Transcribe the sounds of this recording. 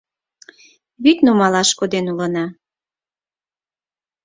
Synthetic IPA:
βyt̪ʲnumɑlɑʃkod̪enulɤnɑ

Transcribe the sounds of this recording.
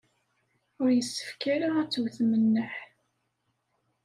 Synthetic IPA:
ʊɾjəsːə̥fkaɾaæt͡sːwθmənːəħ

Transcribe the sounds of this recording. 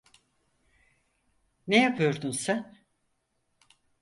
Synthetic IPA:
nejapʰɯjoɾd̪unsæn

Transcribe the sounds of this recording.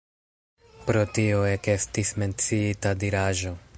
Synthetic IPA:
pɾo̞tio̞e̞ke̞stisme̞nt͡siitadiɾaʒo̞

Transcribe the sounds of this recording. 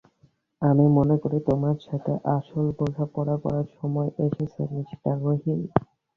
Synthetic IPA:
amimonekoɾit̪omaɾʃat̪ʰeʔaʃolboɡʱapɔɽapɔ̰ɾaɾʃɔmɔeʔeʃet͡ɕʰeniʃʈaɾɾoɦin

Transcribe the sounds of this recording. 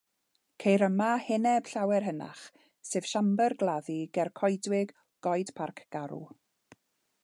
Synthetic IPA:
kʰejɾəmahɪnɛb̥ɬawɛrɦəna̰χ | sɨːv̥ʃambɛrɡlˠaðiɡɛrkʰɔjdwɪɡ | ɡ̥ɔjd̥pʰarkʰɡ̥aɾṵ

